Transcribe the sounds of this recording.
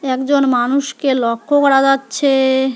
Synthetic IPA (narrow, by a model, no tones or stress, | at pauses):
ɛkd͡ʑonmanuʃkelɔkʰːokɔɽad͡ʑatːɕʰe